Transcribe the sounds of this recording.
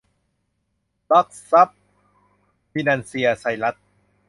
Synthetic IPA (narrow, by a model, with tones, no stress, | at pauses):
la˦˥k̚sa˦˥p̚ | pi˧naː˧nsi˧ɐsa˧˩jla˦˥t̪̚